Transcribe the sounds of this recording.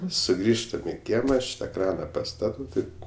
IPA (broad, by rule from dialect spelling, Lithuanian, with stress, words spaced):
sʊˈɡrʲiːʃtɐm ɪ ˈkʲiɛmɐ ˈɐʃ tɐ ˈkrɑːnɐ pɐˈstɑːtɐʊ ˈtɐɪp